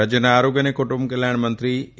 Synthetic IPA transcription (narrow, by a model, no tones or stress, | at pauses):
ɐd͡ʑənaːɾoːɡənekoʈʊmkelaːɪɽ̃mɐ̃nt̪ɾi